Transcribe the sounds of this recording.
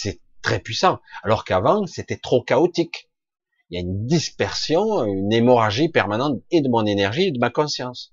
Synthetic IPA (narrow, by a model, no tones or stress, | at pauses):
sɛ | t̪χɛpɥisɑ̃alɔʁkavɑ̃set̪ɛt̪χokaot̪ik | iljaynd̪ispɛʁsjɔ̃ynemɔʁaʒipɛʁmanɑ̃t̪ed̪əmɔ̃nenɛʁʒied̪əmakɔ̃sjɑ̃s